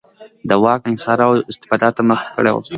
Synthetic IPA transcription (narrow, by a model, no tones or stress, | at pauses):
d̪əwɑkɪnsɑɾawɪst̪ɪ̥fɑd̪ɑt̪ːaməxkə̰ɽḛwo̰